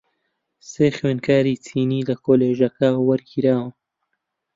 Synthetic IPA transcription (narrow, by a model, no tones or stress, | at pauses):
seːxweːnkaːɾiːt͡sʰiːniːlɐkʰoːleːʒɐkɐwɐɾɡiɾaːwɐ